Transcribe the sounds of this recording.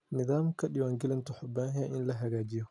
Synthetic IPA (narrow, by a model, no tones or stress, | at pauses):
nɪðaːmkʰɐɗɪwaːŋɡɪlɐnt̪ʰɔħʊbaːɦjɐʔɪnlɐɦɐɣaːt͡ʃɪjɔ